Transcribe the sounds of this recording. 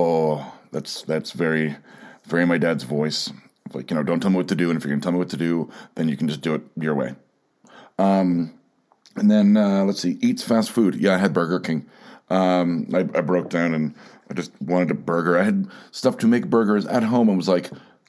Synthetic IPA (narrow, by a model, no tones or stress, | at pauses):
oðætsðætsvɛɹivɛɹimaɪdædzvɔɪs | laɪkjɨnoʊdõntʰɛlˠmiwʌtʰɨdɨɨ̃nɨfjɨkntʰɛlˠmiwʌtʰɨdʉðɨ̃njɨkʰn̩d͡ʒʌsd̥ɨɨt̚jə˞wḛɪ | ʌ̃m | ɨ̃nðɨ̃nʌlətsiʔitsfæstfʉd̥jæaɪɨd̚bɜ˞ɡə˞kʰɪ̃ŋ | ʔʌ̃maɪaɪbɹoʊk̚d̥ãʊ̃nɨ̃naɪd͡ʒʌst̚wɑ̃ɾ̃ɨd̚ɨbɜ˞ɡə˞aɪɨd̚stʌftʰɨmeɪk̚b̥ɜ˞ɡə˞zɨ̰t̚ɦõʊ̃mə̃nwʌzlaɪk